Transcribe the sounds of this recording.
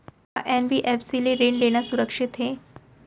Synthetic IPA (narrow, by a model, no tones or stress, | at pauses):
ɦa̰ʔenʋiʔefsileɾeɳleɽ̃jasuɾəkʂit̪ɦe